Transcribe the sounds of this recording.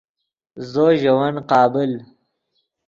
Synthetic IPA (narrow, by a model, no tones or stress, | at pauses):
zoːʒɐwanqɑːbɪl